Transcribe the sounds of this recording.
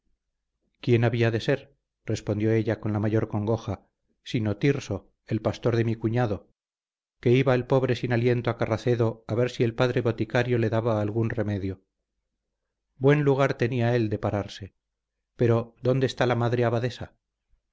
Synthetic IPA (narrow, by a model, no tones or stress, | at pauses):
kje̞naβiaðe̞se̞ɾ | re̞spond̪jo̞e̞ʎako̞nlamaʝo̞ɾko̞ŋɡo̞xa | sino̞t̪iɾso̞ | e̞lpast̪o̞ɾðe̞mikuɲaðo̞ | ke̞iβaelpo̞βɾe̞sinalje̞nt̪oakaraθe̞ðo̞aβe̞ɾsie̞lpaðɾe̞βo̞t̪ikaɾjo̞le̞ðaβaːlɣunre̞me̞ðjo | bwe̞nluɣ̞aɾt̪e̞niae̞ld̪e̞paɾaɾse̞ | pe̞ɾo̞ðo̞nd̪est̪alamaðɾeaβaðesa